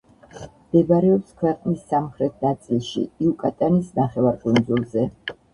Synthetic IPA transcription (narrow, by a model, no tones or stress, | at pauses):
md̪̥ɛbaɾɛɔpskʰwɛqʼnisːamχɾɛt̪ʰnat̪sʼilˠʃḭiukʼat̪ʼanisnaχɛvaɾkʼund̪zulˠzɛ